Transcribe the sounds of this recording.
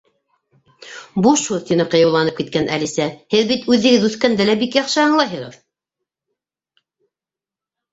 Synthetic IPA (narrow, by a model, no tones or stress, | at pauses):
buʃuɾt̪inɤqɤ̆jɑwlˠɑnɤp̚kit̪̚kænʔæ̰lisæhɘðbit̪ʉðːɘ̆ɡɘðʉθkænd̪ælæbikjɑχʃɤɑɴlˠɑjɦɤʁɤ̰ð